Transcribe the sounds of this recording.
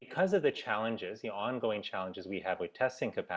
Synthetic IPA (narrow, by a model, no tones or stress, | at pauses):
ɨkʰʌzʌvðɨt͡ʃʰælˠə̃nd͡ʒɪzðiɑ̃nɡoʊɪ̃ŋt͡ʃʰælˠə̃nd͡ʒɨzwiɨvɨtʰɛstɪ̃ŋkʰɨpʰæ